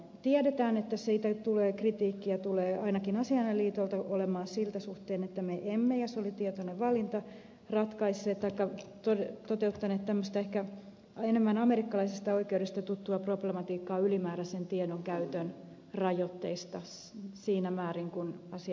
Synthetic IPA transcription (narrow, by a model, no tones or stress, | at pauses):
t̪iɛdet̪æːnet̪ːæsiːt̪æt̪uleːkrit̪iːkːiɑt̪uleːɑinɑkinɑsiɑnːelːiːt̪olt̪ɑolemɑːnsilt̪æsuht̪eːnet̪ːæmeʔemːejɑsolit̪iɛt̪oneʋʋɑlint̪ɑ | rɑt̪kɑisːeːt̪t̪ːɑikːɑt̪ot̪ot̪eut̪ːɑneːt̪t̪æmːøst̪ɑehkæ | enemːænɑmeɾikːɑlɑisist̪ɑoikeudest̪ɑt̪ut̪ːuɑproblemɑt̪iːkːɑːylimæːɾæsent̪iɛdoŋkæyt̪øn | rɑjot̪ːeist̪ɑ | siːnæmæːɾiŋkunɑsi